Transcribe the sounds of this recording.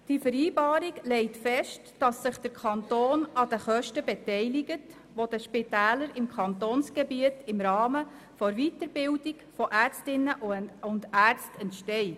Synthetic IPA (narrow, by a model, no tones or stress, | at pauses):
d̥ifəɾiːbɑːɾiɡlɛɪtfɛʃtd̥ɑsːɪχd̥əɾkʰɑntoːnɑd̥əχœʃtəbɛtɛɪlɪɡət | ʋod̥əʃpɪtæːləɾɪmkʰɑntoːnsɡ̥ɛbiətɪmɾɑːmə | fɔɾvitəɾbɪldɪɡ̥fɔʔæːɾt͡stɪnːəʔʊndæːɾt͡stɛntʃtɛɪ